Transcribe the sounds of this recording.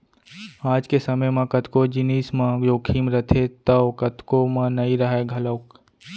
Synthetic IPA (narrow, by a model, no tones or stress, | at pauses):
aːd͡ʒkesɐməjmãkɐt̪kod͡ʒɪniːsmãjoːkʰiːmɾɐt̪ʰet̪əwkət̪komãnɐiɾɐɦeɡʱɐlək